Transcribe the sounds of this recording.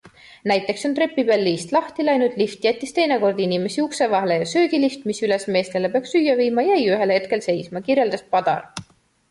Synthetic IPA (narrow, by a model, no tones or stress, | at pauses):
næjt̪ːˑe̞kso̞nt̪ɾe̞pːˑibelːiːst̪lɑht̪ilɑjnut̪lift̪ˑjæt̪ʲːˑist̪e̞jne̞ko̞rd̪̥inime̞siukse̞vɑɦle̞jɑsøːɡ̥ilift̪misyle̞sme̞ːst̪elepeɑksyjːɑviːmɑjɑejyɦe̞lhe̞t̪̚ke̞lse̞jsmɑkirje̞ld̪ɑspɑd̪̥ɑ̰l